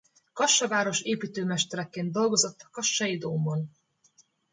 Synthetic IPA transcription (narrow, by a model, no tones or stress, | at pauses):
kɒʃːɒvaːɾo̞ʃeːpiːt̪øːmɛʃt̪ɛɾɛkːeːnd̪ːo̞lɡo̞zo̞t̪ːɒ̥kɒʃːɒjid̪oːmbon